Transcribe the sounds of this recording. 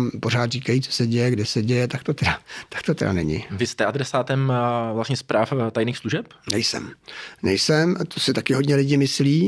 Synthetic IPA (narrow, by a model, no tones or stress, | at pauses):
mpo̞ɾaːt̪riːkajit͡sosɛɟɛjɛɡdɛsɛɟɛjɛt̪ak̚t̪o̞t̪ɛdat̪ḁk̚t̪ot̪ɛda̰nɛɲɪ̰vɪst̪ɛʔad̪ɾɛsaːt̪ɛmvlasɲɛspɾʔaːft̪ajniːxsluʒɛpnɛjsɛ̰mnɛjsɛmt̪ʰosɪt̪akɪɦodɲɛlɪɟɪmɪsliː